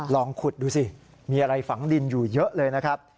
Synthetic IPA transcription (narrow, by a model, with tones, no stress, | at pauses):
lɔː˧ŋkʰu˨˩t̪̚duː˧si˨˩ | miː˧ʔa˧ɾa˧jfa˩˦ŋdi˧njuː˨˩jɤ˦˥ʔlɤː˧jna˦˥kʰɾa˦˥p̚